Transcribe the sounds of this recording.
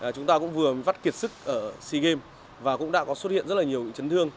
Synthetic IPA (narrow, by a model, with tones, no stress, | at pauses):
t͡ɕʊ˨˦ŋ͡mt̪aː˧kʊ̰˧˥ŋ͡mvɨ˨˩əva˦˥t̚ki˨˩ət̚sɨ˦˥k̚ʔəː˧˩si˧ɣe˧m | vaː˨˩kʊ̰˧˥ŋ͡mɗa̰ː˧˥kɔ˨˦swt̚hḭ˧˨nzə˦˥t̚laː˨˩ɲi˨˩əwɲ̰˧˥ŋt͡ɕə˨˦nt̪ɨ˧əŋ